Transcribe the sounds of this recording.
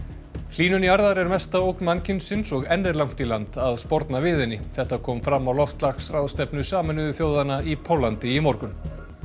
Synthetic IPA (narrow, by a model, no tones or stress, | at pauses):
l̥iːnʏniaɾðaɾɛɾmɛst̪aowknmancɪnsːɪnsɔɣɛnːɛɾlawŋ̥t̪ilant̪aðspɔɾt̪navɪːðɪnːɪθɛht̪akʰɔːmfɾamːawlɔft̪laksrawðst̪ɛpnʏsaːmɪnʏðʏθjoːwðanaipʰowlːant̪ɪimɔɾkʏn